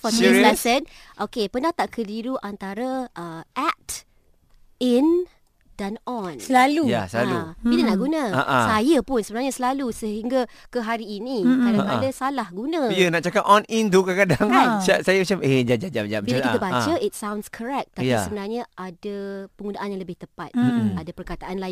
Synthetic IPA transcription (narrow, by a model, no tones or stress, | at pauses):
fɔilasənʔokepənãht̪aʔkʰədiɾuʔant̪aɾaʔəʔɛt | in | d̥anɔnsəlaluja̰səlalṵidənaʔɡunə̃aʔasajəpʊnsəbənarɲasəlalusəɦiŋɡa | kəɦaɾiːnikadakadasalahɡunə̃jənaʔt͡ʃakapɔnint̪ukəkadaŋasasajamat͡ʃamed͡ʒad͡ʒad͡ʒaʔd͡ʒaʔmbiakit̪əbat͡ʃəʔit̚sawnskʰəɾɛk̪̚t̪ajpisəbənarɲaʔadapəŋɡunaʔanjaŋləbɪht̪əpat̪̚adapərkat̪aʔanla